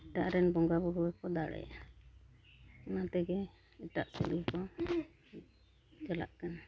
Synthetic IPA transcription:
ʈaʔɾɛnbɔŋɡabuɽuɛkɔd̪aɽɛ̰a | nat̪ɛɡɛ | ɛʈa̰ʔsɛ̰ʔikɔ | d͡ʒɛla̰ʔkan

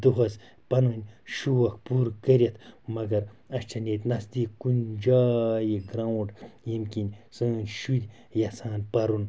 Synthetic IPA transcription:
d̪uɦɐz | pɐnɐnʲʃuwɐkpuɾkɐɾʲɐt̪ʰmɐɡɐɾɐst͡ʃʰɐnʲet̪ʲnɐsd̪iːkkund͡ʒaːjiɡɾaːwuɳɖjimkʲinʲsɨːnʲʃulʲ | jɐsaːnpɐɾun

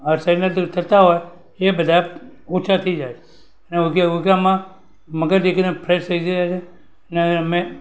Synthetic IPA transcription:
əɾsaɪnəlt̪ʰət̪aɦoj | ebəd̪ʱaot͡ʃʰat̪ʰəid͡ʒajt͡ʃʰe | əneuɡuɡamã | məɡəɾd͡ʒekinepʰɾest̪ʰəid͡ʒaat͡ʃʰe | əneəme

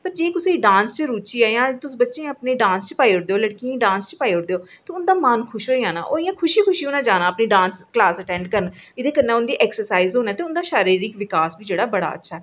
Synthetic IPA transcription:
pəɾd͡ʒeːkʊseːiɖãːnst͡ʃəɾuːt͡ʃiːɛːjãːt̪ʊsbətːʃẽːəpneːɖãːnst͡ʃpaːiɦʊɽd̪eːoːləɽkiĩːɖãːnst͡ʃpaːiːɦʊɽd̪eːoːt̪eːʊnd̪aːmankʰʊʃoːiːãːna̰ːʔoːɪjãːkʰʊʃiːkʰʊʃiːʊnãːd͡ʒaːnãːəpniːɖãːnsklaːsəʈɛ̃ːɳɖkəɾən | ɪd̪eːkənːẽːʊnd̪iːʔɛːksəɾsaːizɦoːnaːt̪eːʊnd̪aːʃaːɾiːɾiːkʋɪkaːsbiːd͡ʒeːɽaːbəɽa̰ːə̰tːʃʰaːɛː

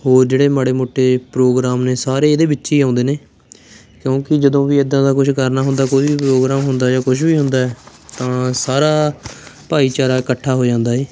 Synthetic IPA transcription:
ɦoːɾd͡ʒeːɽeːmaɽeːmoːʈʰːeːpɾoːɡɾaːmneːsaːɾeːeːd̪eːbɪtːʃiːaːnd̪eːneː | kjõːkɪd͡ʒəd̪õːʋiːed̪ːãːd̪aːkʊt͡ʃʰkəɾnaːɦʊ̃nd̪aːkoːiːbiːpɾoːɡɾaːmɦʊnd̪aːd͡ʒaːkʊʃʰbiːɦʊnd̪aːɛː | t̪ãːsaːɾaːpaːiːt͡ʃaːɾaːɪkəʈʰːaːɦoːd͡ʒãːnd̪aːɦeː

